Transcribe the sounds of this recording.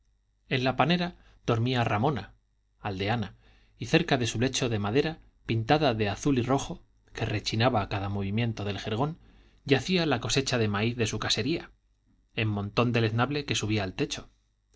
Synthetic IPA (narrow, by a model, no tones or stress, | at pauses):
e̞nlapane̞ɾa | ð̥o̞ɾmiaramõ̞na | ald̪e̞ana | iθe̞ɾkaðe̞sule̞t͡ʃo̞ðe̞maðe̞ɾa | pint̪aðaðe̞aθuliro̞xo̞ | ke̞re̞t͡ʃinaβaːkaðamo̞β̞imjẽ̞nt̪o̞ðe̞lxe̞ɾɣ̞o̞n | ɟ͡ʝaθialako̞se̞t͡ʃaðe̞maiθðe̞sukase̞ɾia | e̞mːõ̞nt̪o̞nd̪e̞le̞znaβle̞ke̞suβ̞iaːlt̪e̞t͡ʃo̞̥